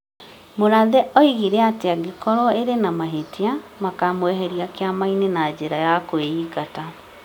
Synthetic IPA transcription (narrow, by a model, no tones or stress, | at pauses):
moɾaðɛʔɔiɣiɾɛateaɡekɔɾɔeɾenamaɦetʰiamakamowɛɦɛɾiakeamainenad͡ʑeɾajakoeikata